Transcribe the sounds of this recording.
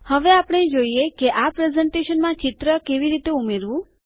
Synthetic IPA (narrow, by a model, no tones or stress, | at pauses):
həʋeapəɽ̃ed͡ʒoiekeʔapɾezɛɳʈeʃənmãt͡ʃit̪ɾəkeʋiɾit̪eumeɾʋũ